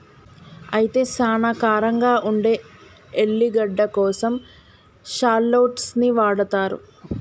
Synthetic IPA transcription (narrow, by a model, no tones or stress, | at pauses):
ɐjit̪e̞ːsaːnɐkaːɾɐŋɡaːʔuɳɖe̞ː | eɭːiɡɐɖːɐkɔːsɐm | ʃaːɾloːʈsniʋaːɽɐt̪aːɾṵ